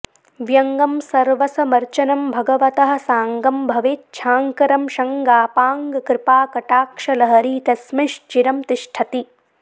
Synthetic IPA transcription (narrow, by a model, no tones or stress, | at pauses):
ʋjɐŋɡɐmsɐɾʋɐsɐmɐɾt͡ʃɐnɐmbʱɐɡɐʋɐt̪ɐɦɐ̆saːŋɡɐmbʱɐʋeːt̪̚t͡ʃʰaːŋkɐɾɐmʃɐŋɡaːpaːŋɡkɾɪpaːkɐʈaːkʂɐlɐɦɐɾiːt̪ɐsmiʃt͡ʃiɾɐmt̪ɪʃʈʰɐt̪i